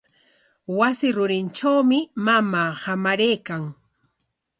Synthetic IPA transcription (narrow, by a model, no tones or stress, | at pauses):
wasɪɾʊɾɪnt͡ʃawmɪmamaːhamaɾejkaŋ